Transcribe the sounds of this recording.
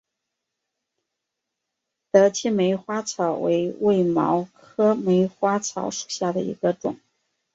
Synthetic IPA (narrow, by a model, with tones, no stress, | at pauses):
t̪ɤ˧˥t͡ɕʰi˥˩me˧˥ɪxwa˥t͡sʰɑ˨˩ʊwḛ˧˥ɪwe˥˩ɪmɑ˧˥ʊkʰɤ˥me˧˥ɪxwa˥t͡sʰɑ˧˥ʊʂu̥˨˩ɕja˥˩d̪ə̰˩ḭ˧˥ɡ̥ə˧ʈ͡ʂʊ̰˨˩˦ŋ